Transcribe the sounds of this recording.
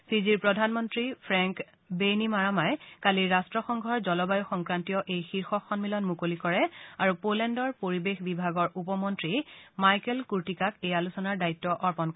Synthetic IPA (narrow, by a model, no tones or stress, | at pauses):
siziɹpɹɔdʱanmɔntɹipʰɹɛŋk | benimaɹamajkaliɹastɹɔxɔŋɡʱɔɹzɔlɔbajɔxɔŋkɹantijɔʔejxiɹxɔkʰːɔnmilɔnmukolikɔɹɛaɹupolɛndɔɹpoɹibexbibʱaɡɔɹʔupɔmɔntɹimajkɛlkuɹtikakejalusɔnaɹdaitːɔʔɔɹpɔnk